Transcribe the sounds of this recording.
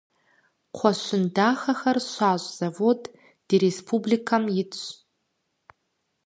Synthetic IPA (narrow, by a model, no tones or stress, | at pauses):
qʷʰaʃʷʊndaχaχarʃʷaʒʷz̥avodʼ | d̥iɾespʰublikʰamjɪt͡st͡ɕʷʰ